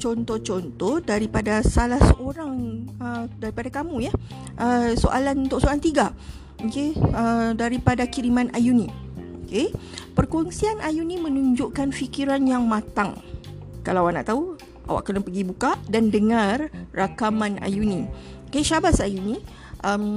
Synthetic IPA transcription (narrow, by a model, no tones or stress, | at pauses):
t͡ʃɔnt̪ɔt͡ʃɔnt̪ɔhdaɾipadasalahsəʔoɾaŋədaɾipadakamũja | ʔəso̰ʔalanunt̪ʊʔsoalant̪iɡa | okeədaɾipadakiɾimãnʔajunĩokepərkɔnsianajunĩmə̃nuɲd͡ʒuʔkanfikiɾanjaŋmãt̪aŋ | kalawana̰ʔt̪au | a̰wa̰ʔkənapəɡibukadandəŋãrːakamãna̰junĩ | okeʃabasajunĩ | ʔəm